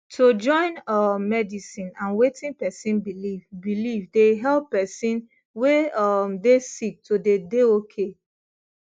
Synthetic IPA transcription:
tʰod͡ʒɔ̃ɪ̃nɔːɛdisĩnãnwetĩnpɛsĩnbilivbilivdeɦɛlpːɛsĩn | weɔmdesik̚tʰodedeokʰe

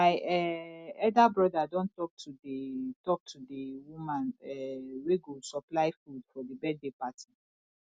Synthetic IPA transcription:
maɪɛɛdabɹɔdadɔ̃ntɔk̚tʰudetɔk̚tʰudiwũmãnɛweɡosɔplaɪfudfɔdibɛddepati̥

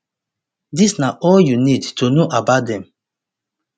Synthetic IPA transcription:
disnaʔɔljunidtunoʔabatdɛ̃m

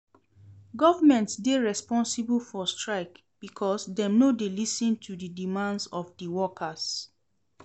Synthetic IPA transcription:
ɡɔvamɛ̃ntsdeɹɛspɔ̃nsiblfɔstɹaɪk | b̥ikʰɔsdɛ̃mnodelisĩntʰudidimãndsɔfdiwɔkʰas

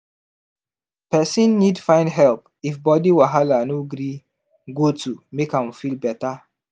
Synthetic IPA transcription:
pɛsĩnːidfãɪ̃ndɦɛlp | ifbɔdiwaɦalanoɡɾi | ɡotumekãmfilbɛta

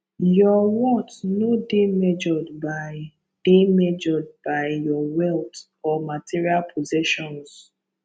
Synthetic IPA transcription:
jɔwɔ̃tnodemɛd͡ʒɔdba | d̥emɛd͡ʒɔd̚baɪjɔwɛlt | ɔmatʰiɹialpʰozɛʃɔ̃ns

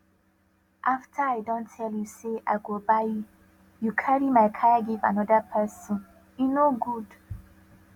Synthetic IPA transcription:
ʔaftʰaaɪdɔ̃ntʰɛljuseʔa̰ɪɡobaɪu | jukʰaɹimaɪkʰajaɡiva̰nɔdəpʰɛsɔ̃n | jinoɡud

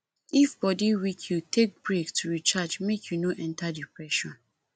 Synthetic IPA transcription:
ifbɔdiwikʰjutʰek̚bɹektʰuɾit͡ʃad͡ʒmekʰjunoʔɛ̃ntadipɹɛʃɔ̃n

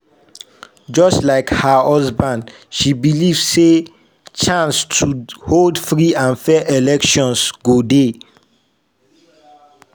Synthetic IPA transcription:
d͡ʒɔstlaɪkhəɔzbãnd | ʃibilivsse | t͡ʃãnstʰuholdfɹiãnfɛʔelɛkʃɔ̃nsɡ̥ode

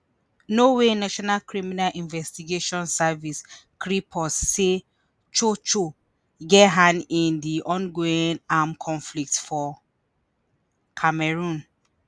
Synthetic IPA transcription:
nowenaʃɔnalkɹiminalʔĩnvɛstiɡeʃɔ̃nsaviskʰɹipʰɔsːe | t͡ʃot͡ʃo | ɡɛɦãnĩndiʔɔ̃nɡoĩnamkʰɔ̃nflik̚tfɔ | kʰamɛɹũn

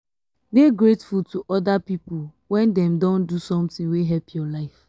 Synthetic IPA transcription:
beɡɹetfultʰuʔɔdapipul | wɛ̃ndɛ̃mdɔ̃ndusɔ̃mtĩŋweɦɛpʰjɔlaɪf

